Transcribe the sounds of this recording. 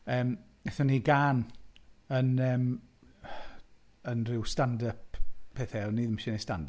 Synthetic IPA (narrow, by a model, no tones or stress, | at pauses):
əːm | ɛθɔniɡaːn | ənɛːm | ənrɪwstandəppʰɛːθɛwniðəmʃɛnestandə